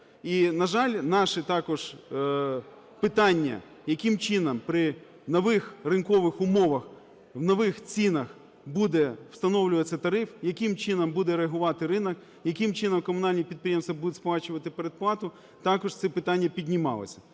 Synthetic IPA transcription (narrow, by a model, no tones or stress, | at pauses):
inɐʒɑlʲnɑʃɛt̪ɑkɔʒ̥ | pɪt̪ɑnʲːɐ̰ | jɐkɪmt͡ʃɪnɐmpɾɪ | nɔʋɪxrɪnkɔʋɪxʊmɔʋɐx | wnɔʋɪxt͡sʲinɐx | bud̪ɛw̥st̪ɐnɔwlʲʊʋɐt͡sʲːɐt̪ɐɾɪfjɐkɪmt͡ʃɪnɐmbud̪ɛɾeɐɦʊʋɑt̪ɪɾɪnɐk | jɐkɪmt͡ʃɪnɐmkɔmʊnɑlʲnʲipʲid̪̚pɾʲijemst̪ʋɐbud̪ʊtʲsplˠɑt͡ʃʊʋɐt̪ɪpeɾed̪̚plˠɑt̪ʊ | t̪ɑkɔʒt̪sɛpɪt̪ɑnʲːɐpʲid̪ʲnʲɪmɑ̰lˠɔ̰sʲɐ̥